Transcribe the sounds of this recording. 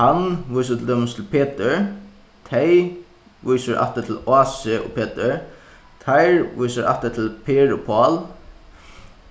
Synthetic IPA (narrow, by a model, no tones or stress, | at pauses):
hanʋujs̬at̪ʰɪld̪œːmʊnst̪ʰɪlpʰeːt̪ɪɹ | t̪ʰɛj | ʋujsaɾʔa̰ft̪at̪ʰɪlaːsɪʊ̰pʰeːt̪ɪɹ | t̪ʰajɹʋujsaɾʔa̰ft̪at̪ʰɪlpʰeːɹʊpʰɔːl